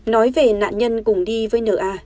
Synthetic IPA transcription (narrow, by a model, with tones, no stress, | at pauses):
nɔ˨˦jve˨˩na̰ː˧˨nɲə˧nkʊ˨˧˩ŋ͡mɗi˧vəː˨˦jnə̰ː˧˩ʔaː˧˩